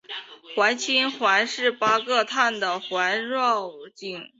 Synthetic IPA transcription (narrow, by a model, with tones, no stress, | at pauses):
xwa˧˥ɪt͡ɕʰi˥nxwa˧˥ɪʂɻ̩˥˩pa˥kɤ˥˧t̪ʰa˥˩nd̪ə˩xwa˧˥ɪɻwɑ˥˧ʊt͡ɕi˥˩ŋ